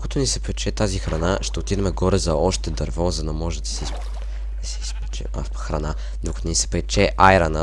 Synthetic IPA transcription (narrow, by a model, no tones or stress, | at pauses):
d̪kɐt̪onisɛpɛt͡ʃɛt̪azixɾɐnaʃt̪ɛot̪id̪ɐmɛɡɔɾɛzɐɔʃt̪ɛd̪ɐɾvɔzɐd̪ɐmɔʒɛd̪ɐsɛisp | d̪ɐsɛispt͡ʃɛ̰ | xɾɐna | d̪okɐ̥t̪onisɛ̥pɛt͡ʃɛʔajɾɐnə